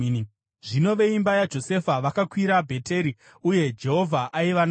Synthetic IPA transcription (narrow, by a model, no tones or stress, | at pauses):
ʐino̞ʋe̞imbajad͡ʒo̞se̞faʋakakwiɾabʱe̞te̞ɾi | uje̞d͡ʒe̞ɦo̞vʱaʔaiʋan